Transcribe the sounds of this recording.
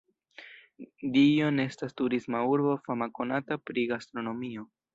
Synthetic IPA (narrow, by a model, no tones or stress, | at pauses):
dijo̞ne̞stastuɾismauɾbo̞famako̞natapɾiɡastɾo̞no̞mio̞